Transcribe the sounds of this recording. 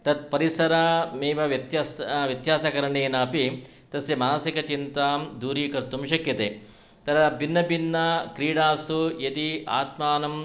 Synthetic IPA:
t̪ɐt̪̚pɐɾisɐɾɐmeːʋɐʋjɐt̪jɐsʋjɐt̪jaːsɐkɐɾɐɳeːnɐːpi | t̪ɐsjɐmaːnsikɐt͡ʃint̪aːmd̪uːɾiːkɐɾt̪umʃɐkjɐt̪eː | t̪ɐd̪ɐbʱinːɐbinːɐkɾiːɽaːsujɐd̪ia̰ːt̪maːnɐm

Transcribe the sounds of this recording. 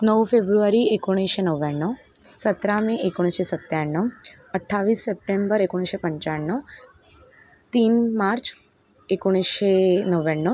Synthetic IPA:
nəwfebɾuʋaɾiekoɽ̃iʃenəʋaɳːɔ | sət̪ɾamẽʔekoɽ̃iʃesət̪jaɳːɔ | əʈʰːaʋiːsːep̚ʈembəɾekoɽ̃iʃepə̃ɲt͡ɕaɳːɔ | t̪iːnmaɾt͡ʃ | ekoɽ̃iʃenəʋeɳːɔ

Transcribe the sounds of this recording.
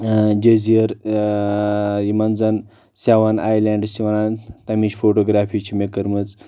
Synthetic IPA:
d͡ʒeziəɾ | jimɐnd͡zɐn | saʋanajlaɳɖt͡ʃiʋɐnant̪ɐmiɕfʰoʈoɡɾafʰit͡ʃʰimekəɾmɨt͡s

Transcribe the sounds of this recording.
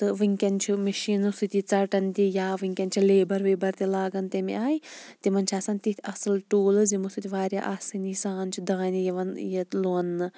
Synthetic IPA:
t̪ɨʋɨŋʲkʲɐnt͡ʃʰimɐʃiːnusɨt̪ʲit͡sɐʈɐnt̪ʲijaːʋɨŋʲkʲɐnʲt͡ʃʰileːbɐɾʋeːbɐɾt̪ilaːɡɐnt̪emḭaːjit̪imɐnʲt͡ʃʰaːsanʲt̪it̪ʰiɐsɨlʈoːlɨzimusut̪ʲiʋaːɾʲja̰ʔaːsɨnisaːnt͡ʃʰud̪ãːnʲijiʋɐnjɐlonːɨ

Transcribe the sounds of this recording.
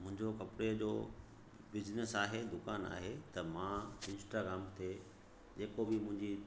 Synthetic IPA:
mʊ̃ɦɪ̃ɲd͡ʑokɐpɽed͡ʑoː | bɪd͡ʑnəsaːɦed̪ʊkaːna̰ːɦet̪ɐmãɪ̃nsʈaːɡɾaːmt̪ʰe | d͡ʑeːkobɪmʊ̃ɦɪ̃ɲd͡ʑi

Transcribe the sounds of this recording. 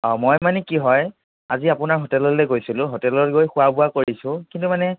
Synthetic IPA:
ɔmojmanɛkiɦɔj | aziapʊnaɹɦotɛlɔlɛɡojsilʊ̃ɦotɛlɔtɡojxʊabʊakoɹisʊ̃kintumanɛ

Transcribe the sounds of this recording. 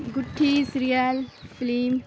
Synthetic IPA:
ɡʊʈʰːisɾijalpʰɪlim

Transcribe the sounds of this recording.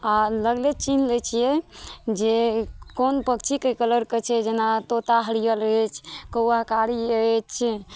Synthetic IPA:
aləɡlet͡ʃinlət͡ʃʰijɛd͡ʒekonpəkt͡ʃʰikekələɾket͡ʃʰɛd͡ʒenat̪ot̪aɦəɽijələt͡ʃʰkəwaɦkaɾiət͡ʃʰ

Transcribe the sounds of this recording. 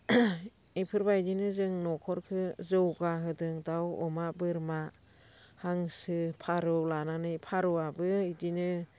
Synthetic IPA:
ipʰɯɾbajdinɯzɯŋnɔkʰɔɾkʰɯzɯwɡaɦɯdɯŋdawɔ̰mabɯɾma | haŋsɯpʰaɾɯlananɯjpʰaɾɯabɯidinɯ

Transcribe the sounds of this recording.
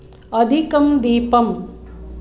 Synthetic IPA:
ɐd̪ʱikɐmd̪iːpɐm

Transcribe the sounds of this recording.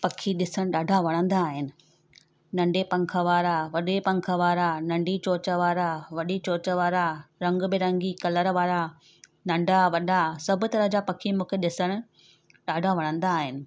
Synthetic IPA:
pɐkʰiɗɪsəɽ̃ɗaːɖʱaʋɐɽ̃ə̃nd̪aːɦɪnɪ̆ | nɐ̃ɳɖepɐ̃ŋkʰəʋaːɾaʋɐɗepɐ̃ŋkʰəʋaːɾanɐ̃ɳɖit͡ɕoːt͡ɕəʋaːɾaʋɐɗit͡ɕoːt͡ɕəʋaːɾaɾɐ̃ŋɡbɪɾɐ̃ŋɡikɐləɾʋaːɾa | nɐ̃ɳɖʱaʋɐɗasɐbʱʊ̆t̪ɐɾəɦd͡ʑapɐkʰimũːkʰeɗɪsəɽ̃ʊ̆ | ɗaːɖʱaʋɐɽ̃ə̃nd̪aːɦɪnɪ̆

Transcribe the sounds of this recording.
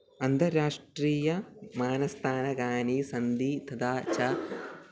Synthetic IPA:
ɐnt̪ɐɾaːʂʈɾiːjɐmaːnɐst̪ʰaːnɐɡaːnisɐnd̪iːt̪ʰɐd̪aːt͡ʃɐ

